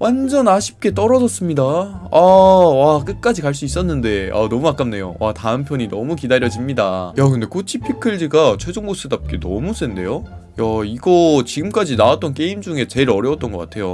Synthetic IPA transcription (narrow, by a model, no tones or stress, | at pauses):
wʔand͡ʑʌnaɕʰi̥p̚k͈e̞t͈ʌɾʌd͡ʑʌs͈ɯmɲidaawak͈ɯk͈ad͡ʑikaɭs̬͈uis͈ʌnːɯnde̞a̰nʌmukak͈amne̞jo̰wʔataɯmpʰjʌɲinʌmukidaɾjʌd͡ʑimɲidajakɯnde̞kʰot͡ɕʰipʰikʰɯɭd͡ʑiɡat͡ɕʰwe̞d͡ʑoŋɡos͈ɯdap̚k͈e̞nʌ̰mus͈ende̞̰jo | jaiɡʌt͡ɕiɡɯmk͈ad͡ʑinawat͈̚ʌnk̬͈e̞imd͡ʑuŋe̞t͡ɕe̞ɾʌɾjʌwt͈ʌnɡʌk͈atʰe̞jo